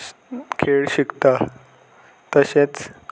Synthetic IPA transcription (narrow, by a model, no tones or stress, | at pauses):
kʰeɭɕikt̪a | t̪əɕẽt͡s